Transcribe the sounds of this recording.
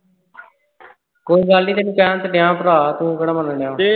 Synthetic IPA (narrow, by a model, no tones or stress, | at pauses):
koːiɡaːliːt̪eːñːpɛːnt̪əɖɪjãːpɾaːt̪ũːɡəɽaːmənəɳãː